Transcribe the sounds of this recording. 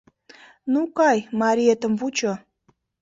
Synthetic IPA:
nukɑjmɑɾʲiet̪əmvut͡ɕo

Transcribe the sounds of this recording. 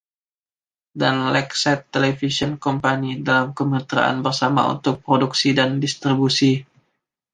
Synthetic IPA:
danlɛksɛt̪ːelefisɔnkɔmpanidalamkəməət̪əɾa̰ʔa̰nbərsama̰ṵnt̪ʊk̚pɾoduksidandist̪ɾibusi

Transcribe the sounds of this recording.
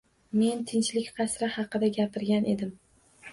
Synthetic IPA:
me̞nt̪ʰɪnt͡ʃlɪkʲqʰɑsɾɪhɑqɨd̪aɡʲapʰɪɾɡʲanʔe̞d̪ɪm

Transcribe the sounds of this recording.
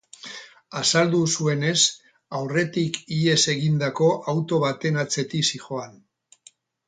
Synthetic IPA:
asald̪usue̞ne̞s | awre̞t̪ikie̞se̞ɣind̪ako̞ʔawt̪o̞βat̪e̞nat͡se̞t̪isixo̞an

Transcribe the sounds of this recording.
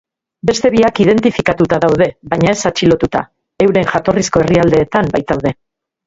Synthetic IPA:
be̞st̪e̞βiakiðe̞nt̪ifikat̪ut̪aðawðe̞βajɲae̞sat͡ʃilo̞t̪ut̪a̰ | e̞wɾe̞ŋʝat̪o̞risko̞e̞riald̪e̞ːt̪ambajt̪awðe̞

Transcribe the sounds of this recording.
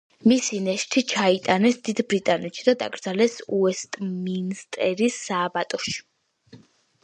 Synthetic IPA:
misinɛʃt̪ʰit͡ʃʰait̪ʼanɛsd̪id̪bɾit̪ʼanɛt̪ʃid̪ad̪a̰ɡɾd̪zalɛsuɛst̪ʼminst̪ʼɛɾisːaːbat̪ʼɔʃi̥

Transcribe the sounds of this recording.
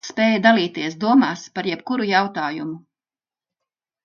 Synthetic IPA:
speːjad̪aliːt̪iɛsd̪uɔmaːspaɾjɛpkuɾujawt̪aːjumu

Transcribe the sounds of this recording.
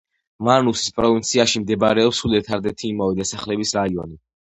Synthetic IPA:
manusi̥spʼɾɔvint̪sʰiaʃimd̪ɛbɾɛɔpsulɛt̪ʰaɾd̪ɛt̪ʰiːmavɛd̪asaχlɛbisɾaiɔni

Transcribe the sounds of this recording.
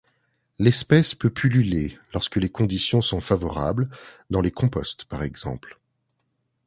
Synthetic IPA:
lɛspɛspøpʰylylelɔʁskəlekɔ̃d̪isjɔ̃sɔ̃favɔʁa̰bld̪ɑ̃lekɔ̃pɔst̪paʁɛɡz̥ɑ̰̃pl

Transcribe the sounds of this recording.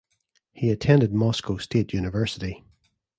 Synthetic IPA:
hiətʰɛ̃ndɪd̚mɔskosteʔjʉnɪvɜ˞sɪʔi

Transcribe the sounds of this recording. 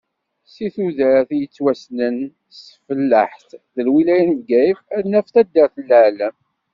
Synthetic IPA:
siθuðəɾθjət͡sːwæsnən | səfəlːəħθðəlwilæjənvɡæjəfænːæfθæd̪ːəɾθəlːəʕləm

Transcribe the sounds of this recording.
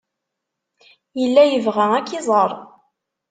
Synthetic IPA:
jəlːæjəvʁæækːizˤəɾˤ

